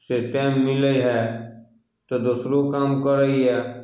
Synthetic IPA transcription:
seʈɛːmːɪləiɦɛː | t̪od̪usɾokaːmkəɾəiɦɛː

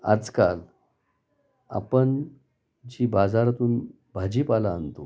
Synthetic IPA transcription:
a̰d͡zkal | a̰pəɳ | d͡ʑiːbad͡zaɾat̪uːn | bʱad͡ʑiːpalaːnt̪o

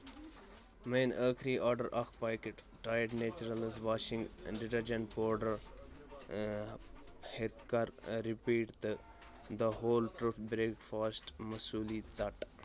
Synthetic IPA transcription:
mẽːnəːkʰɾiːʔɔːɾɖəɾʔakʰpaːjkeʈ | ʈɾaːjəʈneːt͡ʃuɾɐlɪzʋaːʃɪ̃ŋɡɖɪʈɐɾd͡ʒɐ̃npoːɾɖəɾ | het̪kaɾːipiːʈt̪ | d̪əɦoːlʈɾufbɾeːkfaːsʈmɐsuːliːt͡sɐʈ

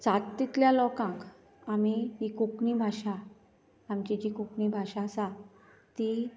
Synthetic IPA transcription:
t͡sat̪ːit̪ljalɔkãk | amiɦikukɳibʱaɕaː | mt͡ɕid͡ʑikuknibʱaɕaːsa | t̪i

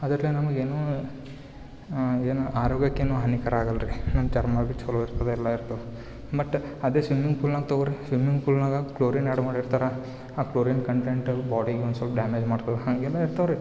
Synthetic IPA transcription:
ɐd̪ɐɾɐlinɐmɐɡeːnuː | eːnuʔaːɾoːɡjɐkːeːnuːɦɐnikɐɾaːɡɐlɾinɐmt͡ʃɐɾmɐbit͡ʃoloiɾt̪ɐd̪eɛlːɐiɾt̪ɐd̪e | bɐʈːɐd̪eːsʋimiŋɡpʰuːlnaːɡ̚t̪ɐʋɐɾisʋimiŋɡpʰuːlnaːɡɐkloːɾineɽmaːɽiɾt̪aːɾe | aːkloːɾinkɐɳʈeɳʈbaːɽiɡeond̪sɐlpɐɖaːmeːd͡ʒmaːɽt̪ɐd̪eɦɐŋɡɛlːɐiɾt̪ɐʋɐɾi

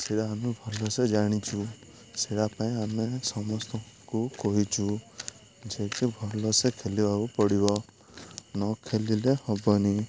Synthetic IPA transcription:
seɽaːmubʱɔlɔsed͡ʒaɽ̃it͡ʃʰu | seɽapaĩanesɔmɔst̪ɔ | kukɔɦit͡ʃʰu | d͡ʒekibʱɔlɔsekʰelibakupɔɽibɔ | nɔkʰelilehɔbɔni

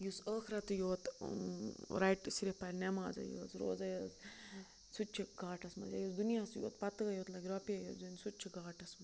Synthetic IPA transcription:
jusəːxʰiɾɐt̪joːt̪ | ɾajʈsiɾipɐɾʲnema̰ːzɐ̰jo̰ːzɾo̰ːzɐjɐːz | sut͡ʃʰiɡaːʈɐsmɐ̰zja̰jusd̪unijaːsjo̰ːt̪pɐt̪ɡɐjoːt̪lɐɡʲɾoːpiajoːzunʲsut͡ʃʰiɡaːʈɐsmɐ

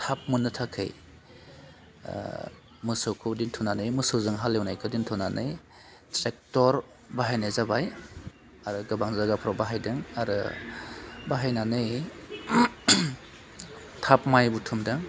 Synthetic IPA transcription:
tʰap̚mɯnɯtʰakʰɯ̰j | mɯsokʰudintʰɔnanɯjmɯsɯzɯŋɦalewnajkʰɯdintʰɔnanʔɯj | tɾek̚tɔɾ | baɦajnazabaj | aɾɯɡabaŋzaɡapʰɾɔbaɦajdɯŋaɾɯ̰ | baɦajnanɯj | tʰap̚majbutʰumdɯŋ

